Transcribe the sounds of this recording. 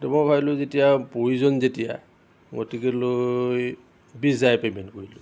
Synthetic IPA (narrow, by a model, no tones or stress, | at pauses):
tumojbʰʱabilʊzetijapoɹizɔnzetija̰ | ɡotikɛloj | bizajpemɛnkoɹilʊ